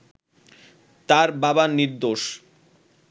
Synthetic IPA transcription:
t̪aɾbabaniɾd̪oʃ

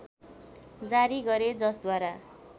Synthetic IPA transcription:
d͡zaɾiɡʌɾed͡zʌsd̪waɾa

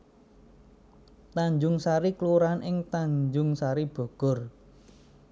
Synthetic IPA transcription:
t̪aɲd͡ʒʊŋsaɾikluɾanʔɪŋt̪aɲd͡ʒʊŋsaɾib̥o̤ɡ̥ɔ̤r

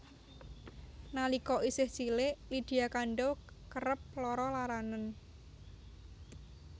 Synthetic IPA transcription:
nalikɔʔisɪhsileʔlid̪̥i̤jakaɳɖɔ | kəɾəp̚lɔɾɔlaɾanən

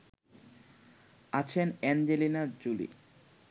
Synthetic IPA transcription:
at͡ɕʰenɛnd͡ʑelinaɾd͡ʑulḭ

